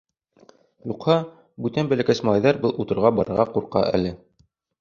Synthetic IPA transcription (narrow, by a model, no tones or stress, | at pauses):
juqhɑ | bʉt̪ænbælækæsmɑʁɑjðɑɾbɤlˠut̪ɤ̆ɾʁɑbɑɾɤ̆ɾʁɑquɾqɑ̰ʔæ̰lɘ